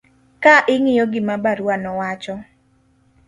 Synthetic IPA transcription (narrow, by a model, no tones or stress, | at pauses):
kaʔɪŋɪjɔɡɪmabaɾwanɔwat͡ʃɔ